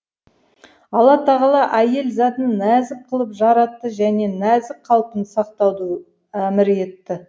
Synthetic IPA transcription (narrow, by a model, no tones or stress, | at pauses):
ɑlˠɑt̪ʰɑʁɑlˠɑʔæje̞lzɑt̪ənnæzɪk̚qʰəlˠəpʒɑɾɑt̪ːəʒæne̞næzɪk̚qʰɑlˠpənsɑqt̪ɑwd̪ə | æmɪɾe̞t̪ːɪ